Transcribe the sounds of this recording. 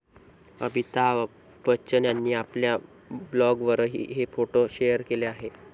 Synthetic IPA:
ə̰bʱit̪a | bət͡ɕənjanːiːaplja | blɔɡʋəɾɦḭːɦefoʈoɕejəɾkeleaɦe

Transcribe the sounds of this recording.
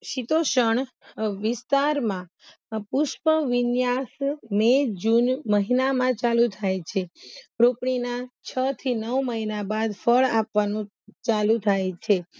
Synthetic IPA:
ʃit̪oʃəɳ | ʋɪst̪aɾmã | pʊʃpəʋɪnjasmed͡ʒunməɦinamãt͡ʃalut̪ʰajt͡ʃʰepɾopɳinat͡ʃʰət̪ʰinəwməɦinabad̪fəɭapʋanũ | t͡ʃalũt̪ʰajt͡ʃʰe

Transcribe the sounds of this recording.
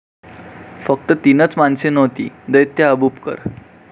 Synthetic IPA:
fək̚t̪ət̪inət͡smansenəʋt̪ḭd̪əjt̪jaəbupkə̰ɾ

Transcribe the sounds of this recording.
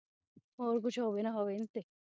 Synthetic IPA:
oɾk̬it͡ɕʰuɦɔbenaɦɔbent̪e

